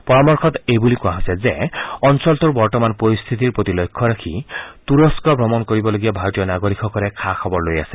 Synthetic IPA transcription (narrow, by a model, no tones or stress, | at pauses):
pɔɹɔmɔɹkʰɔt̪ebulikũwãɦosezeɔnsɔlt̪uɾbɔɹtɔmanpoɾist̪ʰit̪iɹpɹot̪ilojkʰːɔɾakʰit̪uɾɔskɔbʱɾɔmɔnkoɹibɔloɡiabʱaɾɔt̪ijɔnaɡoɾikʰɔkɔɾekʰakʰɔbɔɹloja̰se̥